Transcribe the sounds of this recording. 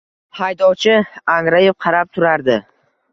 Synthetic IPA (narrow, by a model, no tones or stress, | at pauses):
hajd̪ɒwt͡ʃʰɪaŋɾajefqʰɑɾap̚t̪ʰʊɾaɾd̪ɪ